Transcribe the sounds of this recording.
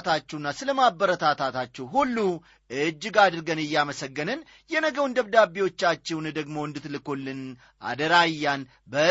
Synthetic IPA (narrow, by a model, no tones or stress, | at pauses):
t̪ʰat͡ʃːɛwnːasɨləmabəɾət̪ʰat̪ʰat̪ʰat͡ʃːɛwɦulːu | ʔɨd͡ʒːɪɡad̪ɨɾɡənɨjːaməsəɡːənɨn | jɛnəɡəwnd̪əβd̪abiwo̞t͡ʃːat͡ʃːɛwnd̪əɡmo̞ɨnd̪ɨt̪lɨkolːɨn | ʔa̰d̪əɾajːan | bə